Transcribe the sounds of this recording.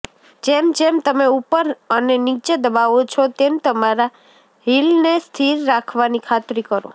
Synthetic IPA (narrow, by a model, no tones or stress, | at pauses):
d͡ʒemd͡ʒemt̪əmeupəɾənenit͡ʃed̪əbaʋot͡ʃʰɔt̪emt̪əmaɾa | ɦilnest̪ʰiɾːakʰʋanikʰat̪ɾikəɾo̰